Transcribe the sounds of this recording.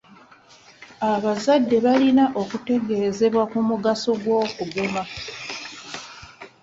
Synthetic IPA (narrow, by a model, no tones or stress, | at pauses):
aβazadːe̞βalinaʔo̞kute̞ɡe̞ːze̞βwakumuɡaso̞ɡwo̞ːkuɡuma